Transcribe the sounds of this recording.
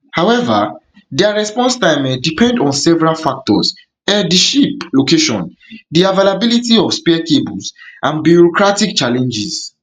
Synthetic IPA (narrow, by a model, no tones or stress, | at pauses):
haʊɛva̰ | dɛaɹɛspɔ̃nstajmɛ̃dipʰɛ̃ndɔ̃nsɛvɛɹalfak̚tɔs | ɛdiʃiplokeʃɔ̰̃n | diavalabilitiɔfspɛkebuzʔãnbjuɹɔkɹatikt͡ʃalɛ̃nd͡ʒiz